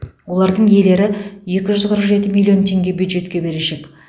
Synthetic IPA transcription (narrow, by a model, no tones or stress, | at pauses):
wo̞lˠɑɾd̪əɴje̞le̞ɾɪje̞kʲɪʒʏzqʰəɾəqʒe̞t̪ɪmʲilʲːio̞nt̪ʰe̞ŋɡʲe̞bjujd̪ʒe̞t̪kʲe̞be̞ɾeʃe̞k